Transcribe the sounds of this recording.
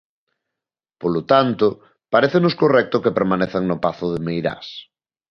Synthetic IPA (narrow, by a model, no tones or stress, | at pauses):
polot̪ant̪ʊ | paɾeθenʊskorɛk̚t̪ʊkepeɾmaneθeŋnʊpaθʊðɪmejɾa̰s